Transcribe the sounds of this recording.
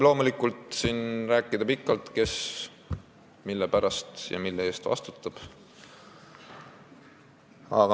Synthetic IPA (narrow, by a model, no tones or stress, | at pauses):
lo̞ːmulikːult̪sinræːkːˑid̪̥ɑpikːˑɑlt̪ke̞s | milːepæɾɑst̪jɑ̰milːee̞ːst̪vɑ̰st̪u̥t̪ːˑɑb̥ | ɑ̰ɡ̥ɑ